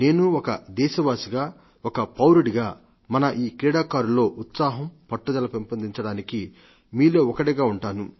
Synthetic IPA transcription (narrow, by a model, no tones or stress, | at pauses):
ne̞ːnuɔkɐd̪ɛːʃɐʋaːsiɡaː | ɔkɐpɐwɾuɽiɡaː | mɐnɐʔiːkɾɛːɽaːkaːɾulo̞ːʔut̪saːɦɐmpɐʈːud̪ɐlɐpempɐnd̪iɲt͡ʃɐɽaːniki | miːloːɔkɐɽiɡaːuɳʈaːnu